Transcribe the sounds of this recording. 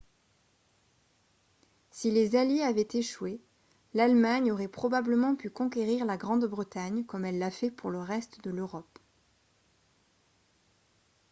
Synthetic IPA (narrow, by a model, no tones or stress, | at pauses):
silezaljeavɛt̪eʃwe | lalmaɲoʁɛpχɔbabləmɑ̃pykɔ̃k̬eʁiʁlaɡʁɑ̃d̪bʁət̪aɲkɔmɛlːafɛpuʁləʁɛst̪d̪əløʁɔp